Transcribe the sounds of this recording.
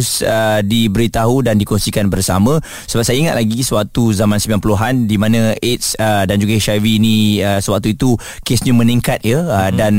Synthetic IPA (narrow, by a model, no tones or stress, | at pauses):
sədibəɾit̪aɦudandikɔnsikanbərsamə̃ | səbap̚sajaiŋat̪laɡisəwak̚t̪uzamãnsəmbilanpuluɦandimãnə̃et̪̚sədand͡ʒuɡaeʃawinĩəsəwak̚t̪uit̪u | kesɲamə̃nĩŋkat̪̚jəədan